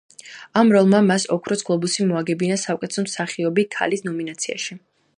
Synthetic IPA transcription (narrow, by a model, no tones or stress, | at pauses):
amɾɔlˠmamasɔkʰɾɔsɡlˠɔbusimɔaɡɛbinasakʼɛt̪sɔmsaχiɔbikʰa̰lisnɔminat̪sʰia̰ʃi